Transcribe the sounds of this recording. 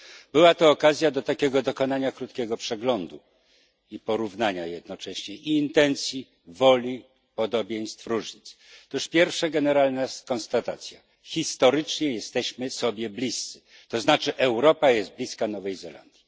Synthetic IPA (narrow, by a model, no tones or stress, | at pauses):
bɘwat̪ɔːkazʲjad̪ɔt̪akʲɛɡɔd̪ɔkɔnaɲakɾut̪̚kʲɛɡɔpʂɛɡlɔnd̪u | ipɔɾuvnaɲajɛd̪̚nɔt͡ʂɛɕɲɛʔiːnt̪ɛnt̪sʲji | vɔlʲi | pɔd̪ɔbʲjɛj̃st̪fɾuʐɲit̪st̪uʂpʲjɛɾfʂaɡɛnɛɾalnakɔnst̪at̪at̪sʲja | xʲist̪ɔɾɘt͡ʂɲɛjɛst̪ɛɕmɘsɔbʲjɛblʲist̪sɘ̥ | t̪ɔznat͡ʂɘʔɛwɾɔpajɛst̪̚blʲiskanɔvɛjzɛla̰nd̪̥ʲji